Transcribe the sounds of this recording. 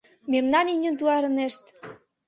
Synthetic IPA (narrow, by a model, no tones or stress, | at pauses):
memnɑninʲə̆nt̪uɑɾəneʃt̪